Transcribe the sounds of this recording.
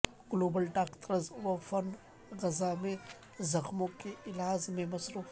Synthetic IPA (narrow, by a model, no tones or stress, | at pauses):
ɡ̥loːbəlʈaːkt̪ɾəzʋɐfɐn | ɣɐzamẽ | zɐxmõkeɪlaːzmẽmɐsɾuːf